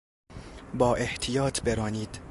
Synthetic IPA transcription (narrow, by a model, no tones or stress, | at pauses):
bɒːʔeht̪ʰijɒːt̪ʰbeɾɒːniːd̪̥